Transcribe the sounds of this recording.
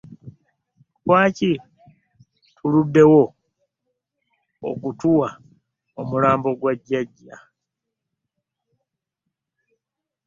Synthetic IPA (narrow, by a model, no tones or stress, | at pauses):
kwaːci | tʰuludːe̞wo̞ | o̰kutuwa | omulaːmbo̞ɡwaɟːaɟːa